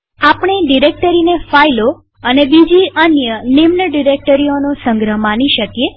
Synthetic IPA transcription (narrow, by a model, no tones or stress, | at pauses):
apɳ̃eɖiɾek̚ʈəɾinefailo | ənebid͡ʒiənjənimnəɖiɾek̚ʈəɾionosə̃ŋɡɾəɦmaniʃəkje